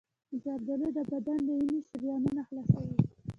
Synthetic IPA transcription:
d͡ʒɑb̚d̪alod̪əbad̪and̪əiniʃɾjɑnunaxlasawi

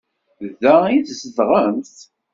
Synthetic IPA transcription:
ðːæiθsəθʁəmθ

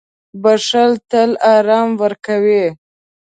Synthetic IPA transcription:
baʂalt̪əlɑɾɑmwəɾkawi

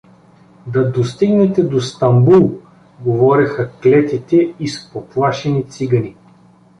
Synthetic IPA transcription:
d̪ɐd̪ost̪iɡnɛt̪ɛd̪ost̪ɐmbulˠ | ɡovɔɾɛxɐklɛt̪it̪ɛispoplˠaʃɛnit̪siɡɐni

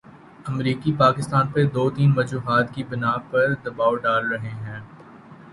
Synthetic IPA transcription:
ɐmɾiːkipaːkɪst̪aːnped̪oːt̪iːnmɐd͡ʒuːɦaːt̪kibɪnaːpɐɾd̪ɐbaːoɖaːlɾɐɦeɦɛ̃ː

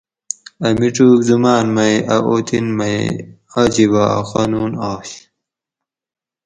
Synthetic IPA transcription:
ɐmiʈ͡ʂuːkzumaːnmɐjʔɐʔoːt̪ʰinmɐj | ad͡ʑibaa̰xaːnuːnaːɕ

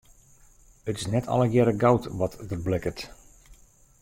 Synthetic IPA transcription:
ətɪ̥snɛtʰɔ̰lˠəjɛɾəɡawtʋɔtdərblɪkət

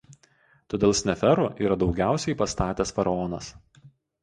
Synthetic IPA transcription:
t̪oːd̪ʲeːlˠsʲnʲɛfʲɛɾʊʔiːɾɐd̪ɒʊɡʲæˑʊsʲɛɪpɐst̪ɑːt̪ʲɛsfɐɾɐɔnɐs

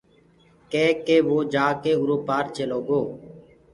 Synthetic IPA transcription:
keːkeːʋoːd͡ʒaːkeːʊɾoːpaːɾt͡ʃeːloːɡoː

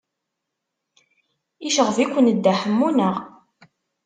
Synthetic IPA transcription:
iʃəʁəvikʷːənd̪ːaħəmːunəʁ

